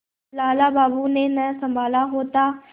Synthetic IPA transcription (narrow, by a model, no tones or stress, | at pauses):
laːlaːbaːbuneːnəsə̃mbʱaːlaɦoːt̪aː